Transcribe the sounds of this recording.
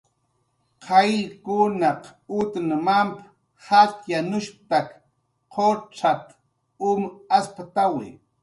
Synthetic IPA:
qʰɑjkʊnaqʊt̪namamp | hat̪janʊʃp̚t̪ak | qʰoʈ͡ʂat̪ | ʊmaspat̪awɪ̰

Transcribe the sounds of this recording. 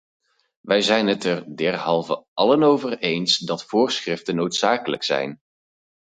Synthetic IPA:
ʋɛjzɛjnɦətɛrdɛɹɦɑlˠvə̰ʔɑlənowvərejnsdɑtfʊːɹsχrɪftənowtsaːkələksɛ̰jn

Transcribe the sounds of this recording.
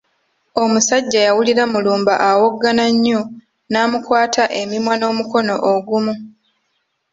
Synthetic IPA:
o̞musaɟːajawuliɾamuluːmbaʔawo̞ɡːanaɲːo | naːmukwaːtʰaʔe̞mimwano̞ːmuko̞no̞ʔoɡumu

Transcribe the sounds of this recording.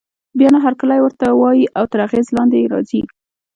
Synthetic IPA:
bjɑnaɦaɾkalajwəɾt̪awɑjiʔawt̪əɾaɣezlɑnd̪ejɾɑ̰zi

